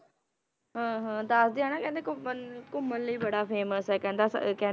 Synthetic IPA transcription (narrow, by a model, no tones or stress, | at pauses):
ɦãːɦãːd̪əsd̪iːaːnãːkɛ̃ːnd̪eːkʊmənkʊmːənləiːbəɽaːpʰeːməsɦɛːkɛ̃ːnd̪aːskɛ̃ː